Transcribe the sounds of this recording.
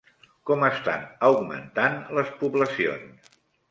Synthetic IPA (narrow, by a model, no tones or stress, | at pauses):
kɔməst̪a̰nəwɡmə̰nt̪anləspuβləsio̰ns